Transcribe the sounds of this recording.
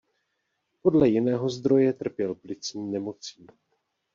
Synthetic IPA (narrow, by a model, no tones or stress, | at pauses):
po̞dlɛjɪnɛːɦo̞zd̪ɾo̞jɛt̪r̩pjɛlplɪt͡sɲiːnɛmo̞t͡siː